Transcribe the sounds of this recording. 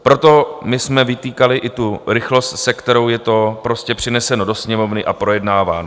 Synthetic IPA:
pɾo̞t̪o̞mɪsmɛvɪt̪iːkalɪʔɪt̪uɾɪxlo̞st̪sɛkt̪ɛɾo̞wjɛt̪o̞pɾo̞scɛpr̥ɪnɛsɛno̞do̞sɲɛmo̞vnɪʔapɾo̞jɛdnaːvaːno

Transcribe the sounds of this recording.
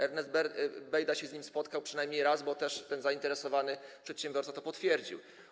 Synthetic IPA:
ɛɾnɛzbɛbɛjd̪aɕɛzʲɲimspɔt̪kawpʂɨnajmɲejɾazbɔt̪ɛʂt̪ɛnzaint̪ɛɾɛsɔvanɘpʂɛt̪ɕɛ̃mbʲjɔɾsat̪ɔpɔt̪fʲjɛɾd͡ʑḭw

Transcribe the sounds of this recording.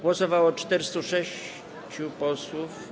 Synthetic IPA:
ɡwɔsɔvawɔt͡ʂt̪ɛɾɘst̪uʂɛɕ | t͡ɕupɔswuf

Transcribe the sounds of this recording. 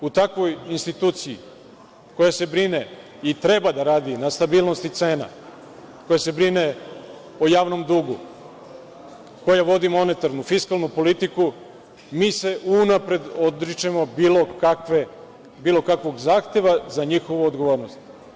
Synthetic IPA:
ut̪akʋo̞jinst̪it̪uːt̪sijḭ | ko̞jase̞bɾine | it̪ɾe̞bad̪aɾaːd̪inast̪abiːlˠno̞st̪it̪se̞ːna̰ | ko̞jase̞bɾine | ojaːʋno̞md̪uɡu | kojaʋo̞d̪imo̞ne̞t̪aɾnufiskalˠnupo̞lit̪iku | miːse̞ʔunapɾe̞d̪od̪ɾit͡ʃemo̞biːlokakʋe | biːlˠo̞kakʋo̞ɡzaːxt̪e̞ʋazaɲixo̞ʋuod̪ɡo̞ʋo̞ːɾnost̪

